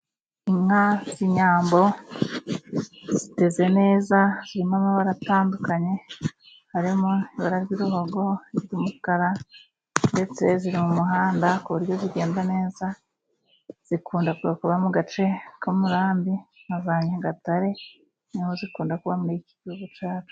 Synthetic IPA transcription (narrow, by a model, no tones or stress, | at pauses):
iŋhaziɲaːmbo̞ | z̥ite̞ze̞ne̞ːzaz̥iɾimamaβaɾataːndukaɲe̞ | haɾimoiβaɾaɾɡiɾuɦo̞ɡo̞izɾimukaɾa | nde̞t͡se̞ziɾimumuɦaːndakuβuɾjo̞ziɾɡe̞ːndane̞ːza | z̥ikuːndakuβakuβamuɡat͡ʃe̞komuɾaːmbimazaɲaɡataɾe̞ | nimozikuːndakuβamuɾikiβihuɡut͡ʃaːt͡ʃu̥